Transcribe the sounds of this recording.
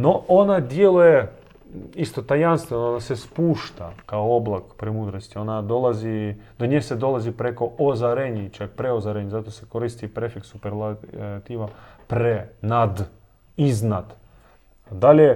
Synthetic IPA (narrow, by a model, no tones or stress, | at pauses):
no̞ʔonad̪jelˠuje | ist̪ot̪ajanst̪ʋenoonasespuːʃt̪akaooblˠakpɾemud̪ɾost̪io̞nad̪olˠazid̪oɲesed̪o̞lˠazipɾeko̞ʔozaɾeɲit͡ʃak̚pɾeozaɾeɲezat̪osekoɾiːst̪ipɾefiksupeɾlat̪iʋapɾenad̪ | iznad̪ | d̪alʲe